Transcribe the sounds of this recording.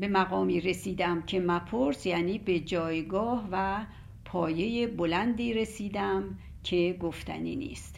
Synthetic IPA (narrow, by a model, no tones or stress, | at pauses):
be̞mæɣɒːmiːɾe̞siːd̪æmcʰe̞mæpʰoɾsjæːniːbe̞d͡ʒɒːjɡɒːhvæ | pʰɒːje̞je̞bolænd̪iːɾe̞siːd̪æm | kʰe̞ɡoft̪æ̰nḭːnḭːst̪